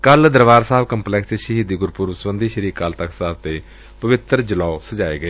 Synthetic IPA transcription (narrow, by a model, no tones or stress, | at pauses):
kəld̪əɾʋaːɾsaːbkəmplɛːksteʃəɦiːd̪iːɡʊɾpuːɾsəbənd̪iːʃəɾiːkːalt̪əksaːb̚t̪eː | pəʋɪt̪əɾd͡ʒəlaːsəd͡ʒaːḛːɡəeː